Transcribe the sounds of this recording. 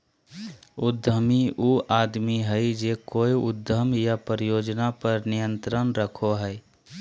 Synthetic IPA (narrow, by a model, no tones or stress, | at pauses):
ʊd̪ʱəmiuʔaːd̪miɦəɪd͡ʒekoːiʊd̪ʱːəmjapəɾəjoːd͡ʒnapəɾnijə̃nt̪ɾənɾəkʰoɦɛ